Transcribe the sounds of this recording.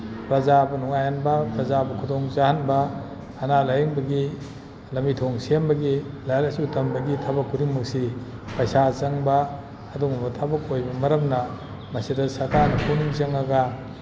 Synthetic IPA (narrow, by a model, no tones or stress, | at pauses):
pɾɐzabɐnuŋajanbɐpɾɐzabɐkʰudoŋt͡ʃahanbɐː | nalajɐŋbɐɡi | lɐmitʰoŋsembɐɡilajalɐsutɐmbɐɡitʰabɐkːudiŋmɐk̚sipɐjsat͡ʃɐŋbɐː | duŋɐmɐtʰabɐkojbɐmɐɾɐmnɐ | mɐsidɐsatanɐpʰuniŋt͡ʃɐŋaɡɐ